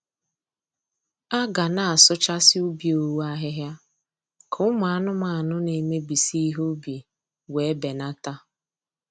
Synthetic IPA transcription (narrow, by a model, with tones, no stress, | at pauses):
a˦ɡa˨na˨a˨sʊ˦t͡ʃa˦sɪ˦u˦bi˨o˨wu˦a˦ɦɪ˦ɦja˦ | kʰʊ˦ʊ˦mʊ˨a˦˨nʊ˦ma˨a˨nʊ˦ne˨me˦bi˨si˦ɦu˦bi˨ | we˨˦be˨na˦ta˦